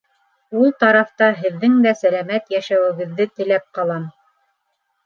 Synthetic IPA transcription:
ulˠt̪ɑɾɑft̪ɑɦɘ̆ðːɘŋd̪æsælæmæt̪jæʃæwɘ̆ɡɘ̆ðːɘt̪ɘ̆læp̚qɑlˠɑm

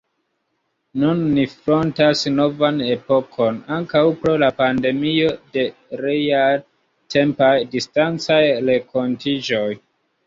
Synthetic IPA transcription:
nunːifɾo̞ntasno̞vane̞po̞kʰo̞naŋkawpɾo̞lapande̞mio̞de̞ | ɾejaj | tʰe̞mpajdistant͡sajɾe̞kʰo̞ntid͡ʒo̞j

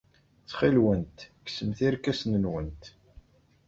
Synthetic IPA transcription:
t͡sːχilwənt̪ksəmθiɾkæsnənwənt̪

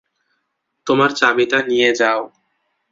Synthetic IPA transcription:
t̪omaɾt͡ɕabit̪anijed͡ʑao

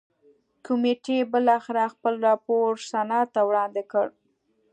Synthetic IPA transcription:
kʊmeʈebəlɑxɪɾaxpəlɾɑpoɾsanɑt̪awɽɑnd̪ɪkəɽ

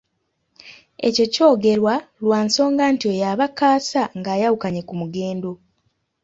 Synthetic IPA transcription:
e̞̰ceco̞ːɡe̞ɾwalwaːnso̞ːŋɡaːntio̞jaβakaːsaŋɡaːjawukaɲe̞kumuɡe̞ːndo̞

